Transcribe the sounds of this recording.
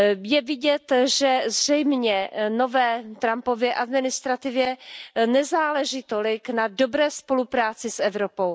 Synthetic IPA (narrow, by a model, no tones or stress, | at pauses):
jɛvɪɟɛt̪ʒɛzr̝ɛjmɲɛno̞vɛːt̪ɾampo̞vjɛʔad̪mɪnɪst̪ɾat̪ɪvjɛnɛzaːlɛʒiːt̪olɪknado̞bɾɛːspo̞lupɾaːt͡sɪsɛvɾopow